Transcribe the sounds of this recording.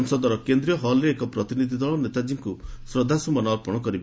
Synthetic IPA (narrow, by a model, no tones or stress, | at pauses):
msɔd̪ɔɾɔkend̪ɾijɔɦɔleːkɔpɾɔt̪inid̪ʱid̪ɔɭɔnet̪ad͡ʒiŋkusɾod̪ʱasumɔnaɾpɔɽ̃ɔkɔɾib